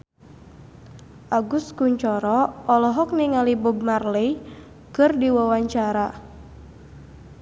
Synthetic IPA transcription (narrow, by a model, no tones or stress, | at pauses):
ʔaɡʊskuɲt͡ʃɔɾɔɔlɔɦɔk̚niŋalibub̚marlej | kɨrdiwawaɲt͡ʃaɾa